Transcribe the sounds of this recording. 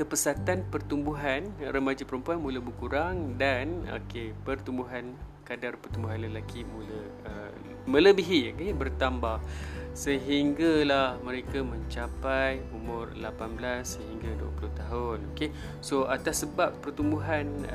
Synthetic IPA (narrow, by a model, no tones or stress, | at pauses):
kəpəsat̪anpərt̪umbuɦanrəmad͡ʒapəɾəmpuanmũləbəkuɾaŋdano̰kepərt̪umbuɦan | kadarpərt̪umbuɦanləlakʰimulə | ə | mə̃ləbiɦiokebərt̪ambahsəɦiŋɡalahmə̃ɾekamə̃ɲt͡ʃapajumʊrlapanblasːəɦiŋɡaduə̰ploht̪aɦʊnoke | soʔat̪asəbapːərt̪umbuɦan